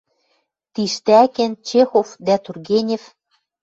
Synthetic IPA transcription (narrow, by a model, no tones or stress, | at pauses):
t̪iʃt̪ækĕnt͡ɕexofd̪æt̪urɣenʲef